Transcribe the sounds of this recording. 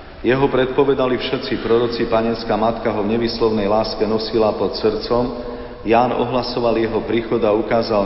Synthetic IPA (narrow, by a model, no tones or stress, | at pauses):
jɛɦɔpɾɛt̪̚pɔʋɛd̪alifʃɛt̪t͡sipɾɔɾɔt͡sipaɲɛnskamat̪kaɦɔvɲɛʋiːslɔʊnɛjlaːskɛnɔsilapɔt̪sɾt͡sɔm | jaːnɔ̰ɦlasɔʋaljɛɦɔpɾiːxɔd̪aukaːza